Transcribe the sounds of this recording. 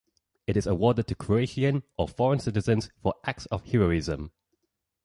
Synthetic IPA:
ɪɾɪzəwɔːdɪd̚tʰəkʰɹ̥əeɪʃiə̃nəfɔɹə̃nsɪtɪzə̃nz̥fəʔak̚tsəv̥hɪɹəɹɪzə̰̃m

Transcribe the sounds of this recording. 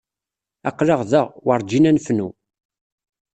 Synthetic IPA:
æqlɑʁðəʁwəɾˤd͡ʒinænfnu

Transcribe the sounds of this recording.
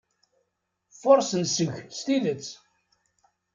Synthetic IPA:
foɾˤsənsəʝst̪iðət͡s

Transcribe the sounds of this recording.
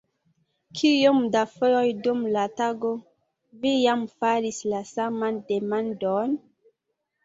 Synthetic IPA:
kʰijomdafojojdumlataɡo | vijamfaɾislasamandemandon

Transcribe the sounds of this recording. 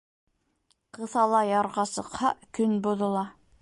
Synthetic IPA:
qɤ̆θɑlˠɑjɑɾʁɑsɤ̆qhɑkɵnbuðɤ̆lˠɑ

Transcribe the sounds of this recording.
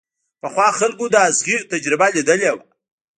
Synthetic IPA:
pəxwɑxalkod̪əazɣiɾt̪ad͡ʒɾɪbalid̪əlewa

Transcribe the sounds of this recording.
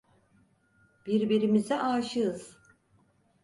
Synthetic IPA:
b̥iɾbiɾimizɛʔaːʃɯɯz̥

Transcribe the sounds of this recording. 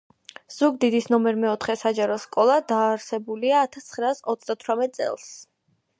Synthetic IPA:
z̥uɡ̚d̪id̪isnɔmɛɾmɛɔt̪ʰχɛsad͡ʒaɾɔskʼɔlˠad̪aːɾsɛbuliaːt̪ʰast̪sʰχɾaːsɔt̪sʰd̪at̪ʰwɾamɛt̪̚ʼsʼɛ̰lˠs

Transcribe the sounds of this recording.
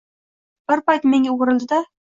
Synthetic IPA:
b̥ɪɾpajt̪me̞ŋɡʲaɾɪlˠd̪ɪd̪a

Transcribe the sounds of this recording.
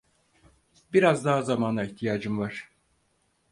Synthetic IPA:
biɾazd̪aɦazamanaiçt̪ʰijaːd͡ʒɯmvaɾ̥

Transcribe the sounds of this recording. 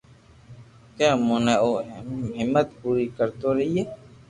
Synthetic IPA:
kjãːmʊnɛoːʔɦɛmɦɪmːət̪puːɾiːkəɾt̪oːɾəɦiːɦeː

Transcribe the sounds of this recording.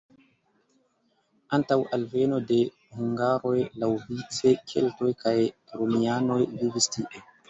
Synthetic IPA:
antawʔalveno̞de | huŋɡaɾojlawvit͡sekʰḛltojkaj | ɾomiano̞jvivistiʔe

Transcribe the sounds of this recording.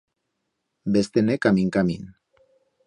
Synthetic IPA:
best̪enekamiŋkamin

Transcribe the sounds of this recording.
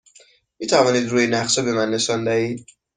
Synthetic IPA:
miːt̪ʰævɒːniːd̪ɾuːjenæxsɒbemænːe̞ʃɒnd̪æhiːd̪̚

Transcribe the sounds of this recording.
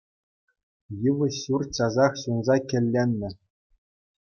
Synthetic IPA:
jɯʋɤ̆ɕurt͡ɕɑzɑχɕunzɑkʲɘ̆lʲːenʲːɘ̆

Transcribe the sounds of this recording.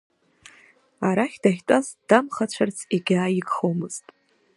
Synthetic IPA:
aɾaχʲd̥aχʲtʼazd̥amχat͡ɕʷʰart͡sʰiɡʲaːiɡχowmɨz̥tʼ

